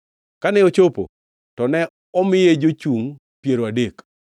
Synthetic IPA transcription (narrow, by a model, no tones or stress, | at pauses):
kanɛot͡ʃopo̰ | tɔnɛ | ɔmɪjed͡ʒot͡ʃuŋ | pjeɾoadek